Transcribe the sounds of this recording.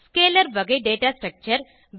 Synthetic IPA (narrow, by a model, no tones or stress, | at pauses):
skeːləɾʋɐɡeɖeːʈaːsʈɾɐk̚t͡ʃəɾ | ʋ